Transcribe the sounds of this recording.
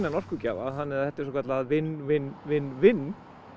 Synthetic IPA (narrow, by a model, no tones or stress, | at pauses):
nanɔr̥kʏca̰ːva̰ðɦanːɪɾaθɛht̪aɛ̥ɾsɔkʰat̪laaðvɪnːvɪnvɪnːvɪnː